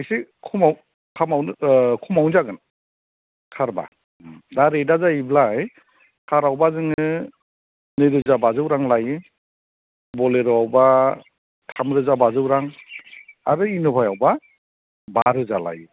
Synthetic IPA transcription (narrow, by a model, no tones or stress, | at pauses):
ajsikʰumaw | kʰamawnɯkʰumawnzaɡɯn | kʰaɾba̰ | daɾedazaiblaj | kʰaɾawbazɯŋɯ | nɯɾɯzabazɯwɾaŋlajɯ | bɔleɾɯawba | tʰamɾɯzabazɯwɾaŋ | aɾɯinubʰʱajawba | baɾɯzala̰jɯ